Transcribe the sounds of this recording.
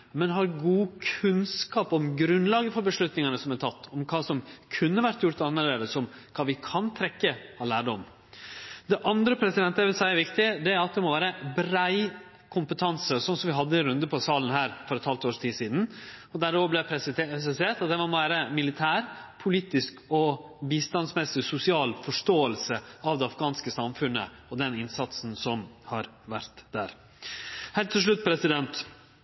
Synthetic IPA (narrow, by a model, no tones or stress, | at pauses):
mɛnɦɑɾɡuːkʰʉnskɑːpɔmɡɾʉnlɑːɡəfɔɾbəʂɭʉt̪nɪŋɑnəsɔmɛt̪ʰɑt̪ːɔmkʰɑːsɔmkʰʉnːəʋæɾʈ̪jʊɾt̪ɑnmɛːləɾəsɔmkʰɑːʋɪkʰɑnt̪ʰɾɛkːəɑlæːɖəɔm | d̪ɛʔɑnd̪ɾəpʰɾɛsɪd̪ɛnt̪ːəʋɪlsæɪəɾʋɪkt̪ɪd̪ɛæɾɑt̪̚d̪ɛmɔʋæːɾəbɾæɪ | kʰʊmpət̪ʰɑnsəsɔnsɔmʋɪɦɑd̪ːəɪnɾʉnd̪əpʰɔsɑːlən̩hæːɾfɔɾɛt̪hɑlt̪oːʂt̪ʰiːsiːd̪n̩ɔd̪æɾɔʋblɛsɛseːʈ̪ɑt̪̚d̪ɛʋɔmʋæːɾəmɪlɪt̪ʰæːɾpʰʊliːt̪ɪskɔ | biːst̪ɑnsmɛsɪsʊsɪɑːlfɔʂtoːəlsəɑʋd̪ɛɑfɡɑːnskəsɑmfʉnːə̰ɔd̪ɛnɪnsɑt̪sn̩sɔmhɑɾ | ʋæɾt̪d̪æ̰ːɾ | hɛlt̪ʰːɪlʂ̬ɭʉt̪̚ːpʰɾɛsɪd̪ɛnt̪